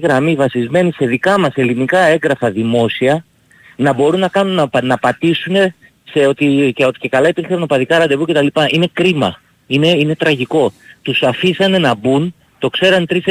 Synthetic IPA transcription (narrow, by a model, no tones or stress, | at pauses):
ɣɾɐmivɐsizme̞nise̞ðikɐmɐse̞linikɐe̞ŋɡɾɐfɐðimo̞siɐ | nɐbo̞ɾunːɐkɐnunɐnɐpɐt̪isune̞ | seo̞t̪iceo̞t̪i̥ce̞kɐlɐipiɾçɐnopɐðikɐɾɐd̪e̞vuce̞t̪ɐlipɐʔine̞kɾimɐ | ine̞ine̞t̪ɾɐʝiko̞t̪usɐfisɐne̞nɐbun | t̪o̞kse̞ɾɐnt̪ɾis